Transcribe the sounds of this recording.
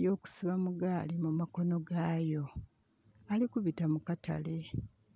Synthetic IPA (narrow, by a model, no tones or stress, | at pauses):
jo̞ːku̥siβamuɡaːlimumako̞no̞ɡaːjo̞ | alikuβitamukata̰le